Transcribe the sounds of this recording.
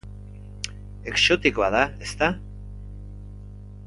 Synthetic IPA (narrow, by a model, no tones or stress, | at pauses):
e̞ksot̪ikoaðaest̪a